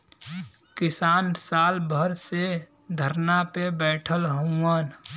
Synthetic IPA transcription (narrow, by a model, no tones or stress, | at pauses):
kɪsaːnsaːlbʱəɾse | d̪ʱəɾnapebɛːʈʰəlɦoən